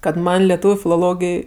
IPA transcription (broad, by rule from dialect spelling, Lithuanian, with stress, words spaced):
kɐt ˈmɐnʲ lʲɛˈtuːʋʲʊ fʲɪlˠoːˈlˠoːɡʲɪj